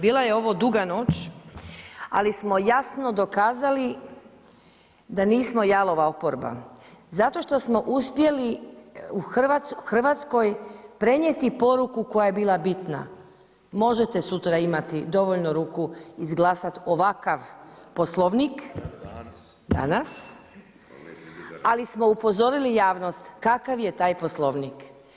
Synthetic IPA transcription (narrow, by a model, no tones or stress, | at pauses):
biːlaje̞o̞ʋo̞d̪uɡano̞ːt͡ʃ | a̰lismo̞jasno̞d̪o̞kaːzali | d̪aniːsmo̞jalˠo̞ʋaopoɾba̰zat̪o̞ʃt̪o̞smo̞ʔuspje̞liuxrʋat̪sxr̩ʋat̪sko̞jpɾe̞ɲjet̪ipo̞ɾukuko̞jaje̞biːlˠabit̪na̰ | mo̞ʒet̪e̞sut̪ɾaimat̪id̪o̞ʋoʎnoɾuːkuizɡlˠaːsat̪o̞ʋakaʋposlˠoʋnik | d̪a̰nas | alismo̞upo̞zo̞ɾilijaːʋno̞st̪kakaʋje̞t̪aːjposlˠoʋnik